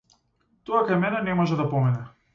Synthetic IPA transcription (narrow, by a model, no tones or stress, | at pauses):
t̪ɔakajmɛnɛnɛmɔʒɛd̪apɔmɛnɛ